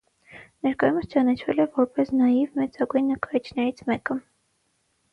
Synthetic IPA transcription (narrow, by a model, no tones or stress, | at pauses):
nɛɾkɑjuməst͡ʃɑnɑt͡ʃʰvɛ̰lɛvɔɾpɛsnɑjivmɛt͡sɑɡujnːəkɑɾit͡ʃʰnɛɾit͡sʰmɛkə